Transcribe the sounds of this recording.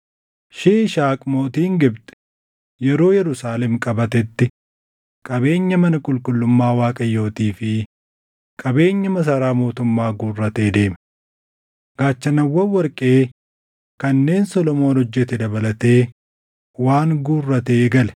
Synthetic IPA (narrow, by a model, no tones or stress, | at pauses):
ʃeːʃaːkʼmo̞ːt̪iːŋɡɪbt̪ʼɛ̥ | jɛɾo̞ːjɛɾʊsaːlɛmkʼɐbɐt̪ɛt̪ːɪ | kʼɐbe̞ːɲːɐmɐnɐkʼʊlkʼʊlːʊmːaːwaːkʼɐjːo̞ːt̪iːfɪ | kʼɐbe̞ːɲːɐmɐs̬ɐɾaːmo̞ːt̪ʊmːaːɡuːrːɐt̪e̞ːd̪e̞ːm | ɡ̥aːt͡ʃːɐnɐwːɐwɐɾkʼe̞ː | kɐnːe̞ːnsɔlɔmo̞ːnhɔd͡ʒːɛt̪ɛd̪ɐbɐlɐt̪e̞ː | waːŋɡuːrːɐt̪eːɡɐlɛ̥